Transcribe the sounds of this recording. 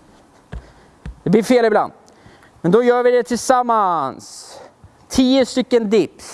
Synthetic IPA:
d̪ɛblɪɾfeːlɪbla̰nd̪ | mɛnd̪ɔjœːɾvɪd̪ɛt̪ʰɪlsamːans | t̪ʰiːəst̪ʏkːənd̪ɪp

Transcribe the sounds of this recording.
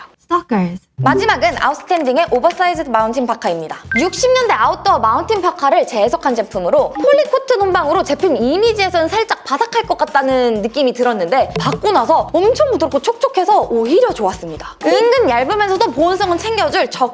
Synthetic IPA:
mad͡ʑimaɡɯna̰us͈ɯ̥tʰend͡ʑiŋe̞ʔobʌs͈aisʰɯmauntʰinpakʰaimɲidajuk̚ɕ͈ʰimɲʌnde̞aut͈ʌmauntʰinpʰakʰaɾɯɭt͡ɕe̞sʰʌkʰand͡ʑe̞pʰumɯɾopʰoʎːikʰotʰɯnombaŋɯɾot͡ɕe̞pʰumimid͡ʑie̞sʰʌnɯnsʰaɭt͡ɕ͈ak̚p͈asakʰaɭk͈ʌk͈at̚t͈anɯnːɯk͈imitɯɾʌnːɯnde̞pak̚k͈onasʰʌʌmt͡ɕʰʌŋbudɯɭk͈ʰot͡ɕʰok̚t͡ɕ͈okʰe̞sʰʌoiɾjʌt͡ɕoas͈ɯmɲidaiŋɡɯnjaɭbɯmjʌnsʰʌdoponsʰʌŋɯnt͡ɕʰe̞ŋɡjʌd͡ʑɯɭt͡ɕʌ

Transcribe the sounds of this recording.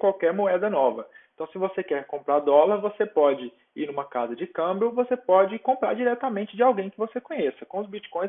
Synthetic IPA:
kwawkɛɾmoɛd̪ɐnɔvɐeẽt̪ɐ̃w̃sɪvosekɛɾkõmpɾaɾd̪ɔlɐɾvosepɔd͡ʒɪ | ḭnũmɐkazɐd͡ʒɪkɐ̃bɾʊvosepɔd͡ʒɪkõmpɾa̰ɾd͡ʒiɾɛt̪amẽnt͡ʃɪd͡ʒɪawɡẽj̃kɪvosekõɲesɐkõʊzbit͡ʃi̥kõj̃

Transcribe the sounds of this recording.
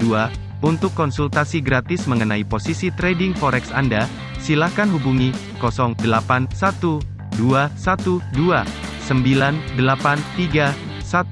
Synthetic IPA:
ua | unt̪ʊkːɔnsult̪asiɡɾat̪ɪsməŋənaiposisit̪ɾɛdɪŋfɔɾɛksanda | silahkanɦubuŋi | kɔsɔŋdəlapansat̪u | duasat̪udua | səmbilandəlapant̪iɡa | sat̪

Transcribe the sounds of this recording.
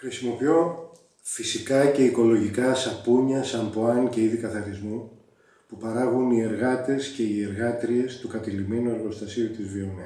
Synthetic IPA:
xɾisimo̞pio̞ | fisikɐce̞iko̞lo̞ʝikɐsɐpuɲɐsɐmpoɐŋce̞iðikɐθɐɾθizmu | pupɐɾɐɣunie̞ɾɣɐt̪e̞sce̞ie̞ɾɣɐt̪ɾie̞st̪ukɐt̪elime̞nue̞ɾɣo̞st̪ɐsiut̪izvio̞ne

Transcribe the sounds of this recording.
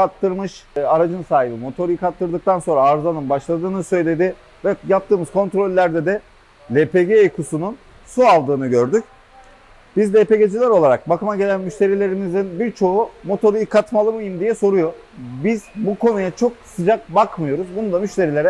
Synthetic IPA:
kat̪ʰːɯɾmɯʃaɾad͡ʒɯnsaːɦibimo̞t̪ʰo̞ɾjikat̪ʰːɯɾd̪ɯkt̪ʰanso̞nɾaːɾzanɯnbaʃlˠad̪ɯːnɯsø̞jlʲe̞d̪ɪ | vɛjap̚t̪ʰɯːmɯz̥kʰo̞nt̪ɾo̞lʲːæɾd̪ɛd̪ɛ | lʲe̞pʰe̞ɟeːkʰusunun | sualˠd̪ɯːnɯɟø̞ɾd̪yc | b̥izd̪ɛpe̞ɟe̞d͡ʒilʲæɾo̞lˠaɾak̚bakɯmaɟe̞lʲænmyʃt̪ʰe̞ɾilʲe̞ɾimizinbiɾt͡ʃʰo̞umo̞t̪ʰo̞ɾuikʰat̪malˠɯmɯjimd̪ijɛso̞ɾujo̞ | bizbuko̞nujat͡ʃʰo̞ksɯd͡ʒak̚bakmɯjo̞ɾuzbunud̪amyʃt̪ʰe̞ɾilʲe̞ɾɛ

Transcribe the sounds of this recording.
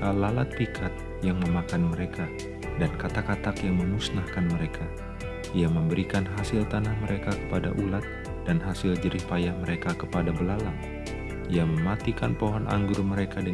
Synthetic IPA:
alalat̪̚pikʰat̪̚ | jaŋməmakanməɾekʰa | dankat̪akat̪akjaŋməmusnahkanməɾeka | iaməmbəɾikanɦasɪlt̪anahməɾekakə̥padaʔulat̪̚ | d̥anɦasɪld͡ʒəɾihpajahməɾekakəpadabəlalaŋ | iaməmat̪ikanpoɦɔnʔa̰ŋɡʊrməɾekadə

